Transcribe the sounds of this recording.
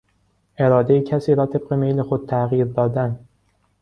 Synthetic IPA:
ʔe̞ɾɒːd̪ejecʰæsiːɾɒːt̪ʰe̞b̥̚ɢemejle̞xod̪̚t̪ʰæɣiːɾd̪ɒːd̪æn

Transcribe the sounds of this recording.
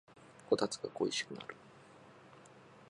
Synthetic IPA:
ko̞t̪at͡sɨ̥ɡa̰ko̞iɕi̥kɯ̟na̰ɾɯ̟

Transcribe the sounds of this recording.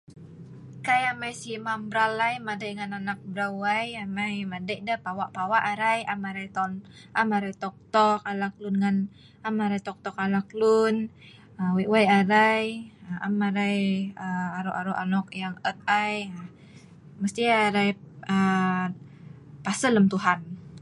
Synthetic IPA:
kajamajsimambɾalajmadajŋananak̚bɾawajamajmadəʔdəpawaʔpawaʔaɾajamaɾajt̪ɔn | ʔamaɾajt̪ɔk̚t̪ɔkalak̚lunŋan | amaɾajt̪ɔk̚t̪ɔkalaklun | əwiʔwajaɾajaamaɾajəaɾuʔaɾuʔa̰nɔk̚jaŋət̪̚aja | məst̪iaɾajə | pasələmt̪uɦan

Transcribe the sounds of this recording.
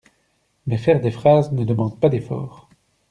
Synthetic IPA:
mɛfɛʁd̪efχaznəd̪əmɑ̃d̪̚pad̪efɔ̰ːʁ

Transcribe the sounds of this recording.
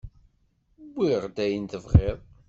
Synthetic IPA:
bːiʁd̪æjənt̪əvʁɪðˤ

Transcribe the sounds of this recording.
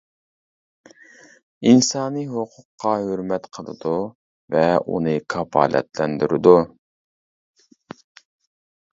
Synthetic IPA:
insɑːnɨɦoqʰʊqːɑɦøɾmɛt̪qʰəlˠɨ̰d̪u | vɛṵnɨkʰɑpɑ̰ːlɛ̰t̪lɛnd̪yɾɪd̪u

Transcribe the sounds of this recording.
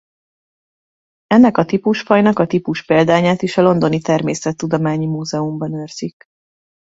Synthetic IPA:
ɛnːɛkɒt̪ipuʃfɒjnɒkɒt̪ipuʃpeːld̪aːɲaːt̪iʃɒlo̞nd̪o̞nit̪ɛrmeːsɛt̪ːud̪omaːɲimuːzɛumbɒnørz̥ik

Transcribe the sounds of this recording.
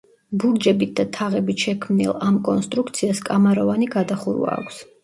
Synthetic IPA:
buɾd͡ʒɛbit̪̚d̪at̪ʰaʁɛbit̪ʃɛkʰmnḭlˠamkʼɔnst̪ʼɾukt̪sʰiaskʼamaɾɔvaniɡad̪aχuɾwa̰ːkʷʰs

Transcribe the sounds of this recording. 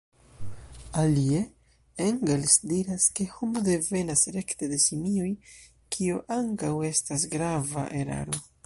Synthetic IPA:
alie̞ | eŋɡelsdiɾaske̞homode̞ve̞nasɾe̞kte̞de̞simioj | kʰioʔaŋkawe̞stasɡɾava̰ʔe̞ɾa̰ɾo̞

